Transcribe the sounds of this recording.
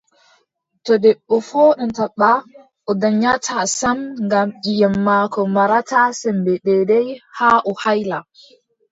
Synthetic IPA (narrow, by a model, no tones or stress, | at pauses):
tɔdɛɓːɔfɔɗɔntaɓːa | ʔɔdaɲatʰasamŋɡamʔijɛmːaːkɔmaɾatasɛmbɛɗɛdɛjhaʔɔhajla